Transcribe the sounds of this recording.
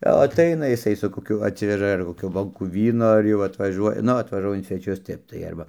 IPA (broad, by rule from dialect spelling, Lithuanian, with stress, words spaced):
jɛʊ ɐˈtɐɪnɐ jɪˈsɐɪ sʊ koːˈkʲʊ ɐtʲˈsʲɪʋʲɛʒɐ ɐr koːˈkʲuː ˈboːŋkuː ˈʋʲiːnoː ɐr ˈjɛʊ ɐtʋɐˈʒuɔjɛ ˈnʊ ɐtʋɐʒuɔjɛ ɪn sʲʋʲɛˈt͡ʃʲʊs ˈtʲɛp tɐɪ ˈɐrbɐ